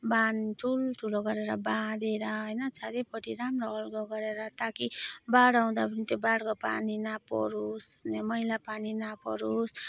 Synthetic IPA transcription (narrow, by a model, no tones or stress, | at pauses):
banʈʰulʈʰuloɡʌɾeɾʌbad̪eɾʌɦʌjnʌt͡sad̪epʌʈʰiɾamroɦʌlɡoɡʌɾeɾʌt̪akibaɽaɦũd̪apʌnit̪jobaɽkopa̰ninapɔ̰ɾusnemʌilapaninapɔ̰ɾus